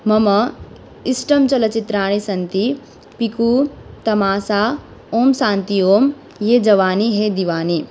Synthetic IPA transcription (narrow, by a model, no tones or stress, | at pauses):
mɐmɐ | isʈɐmt͡ʃɐlɐt͡ʃit̪ɾaːɳ̃isɐnt̪i | pikuːt̪ɐmaːsaː | oːmsãːnt̪ioːm | jeːd͡ʒɐʋaːniɦed̪iʋaːni